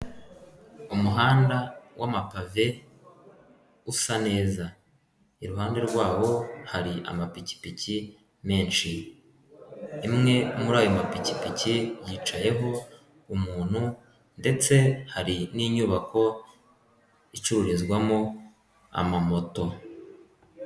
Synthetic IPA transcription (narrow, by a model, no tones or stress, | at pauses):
umuɦaːndawʔamapave̞ | usane̞ːza | iɾuɦaːnde̞ɾɡwaːwo̞haɾiʔa̰mapici̥pici | me̞ːnʃi | mŋe̞umuɾaːjo̞mapicipicijiːt͡ʃaje̞ɦo̞ | umuːn̥hu | nde̞t͡se̞haɾiniːɲuːβako̞ | it͡ʃuɾuɾizɡwamo | a̰mamo̞to̞